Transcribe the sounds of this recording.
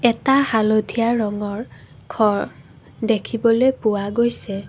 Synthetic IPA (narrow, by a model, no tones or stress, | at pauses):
ɛtahalodʱijaɹɔŋɔɹ | kʰɔɹ | dekʰibɔlejpʊwaɡojsɛ